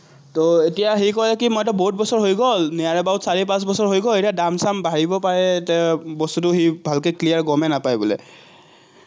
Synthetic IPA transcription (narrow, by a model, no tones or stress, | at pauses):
toetijaxikɔlɛkimɔjtɔboɦut̚bɔsɔɹɦojɡɔlnijaɹɛbaɦutsaɹipãs̬bɔsɔɹɦojɡɔletijadamsambaɹibɔpaɹɛtɛbɔstutʊxibʱalkeklijaɹɡɔmɛnapajbɔlɛ̰